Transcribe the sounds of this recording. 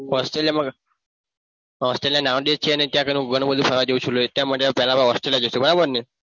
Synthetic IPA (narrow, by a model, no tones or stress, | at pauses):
ɔsʈɾelijaməɡ | ɔsʈɾelijanaʋɖet͡ɕʰianet̪jakəɾuɡəɽ̃bəd̪ʱipʰəɾʋad͡ʑeut͡ɕʰuloet̪jaməʈːepɛlapaɔsʈɾelijad͡ʑest̪ebəɾobəɾne